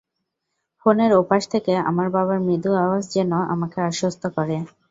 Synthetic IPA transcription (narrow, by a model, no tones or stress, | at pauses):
foneɾopaʃt̪ʰekea̰maɾbabaɾmid̪uaasd͡ʑenoʔa̰makeaʃost̪ʰokɔɾe